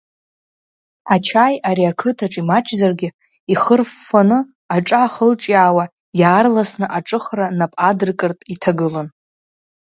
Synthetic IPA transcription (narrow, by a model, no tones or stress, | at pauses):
at͡ʃʰajaɾiakʰɨtʰaʈ͡ʂʼimat͡ʃʰʼzarɡʲɪ | iχərfːanɨ | aʈ͡ʂʼaχəlʈ͡ʂʼjaːwa | jaːrlasnɨʔaʈ͡ʂʼɨχranapʼadɨrkʼɨrtʼitʰaɡɨlon